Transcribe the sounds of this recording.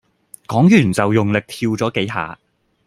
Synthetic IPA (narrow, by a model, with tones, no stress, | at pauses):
kɔː˨˥ŋjyː˨˩nt͡sɐ˨wjʊ˨ŋlɪ˨k̚t̪ʰiː˧wt͡sɔː˨˥ke˨˥jɦa̰ː˨˧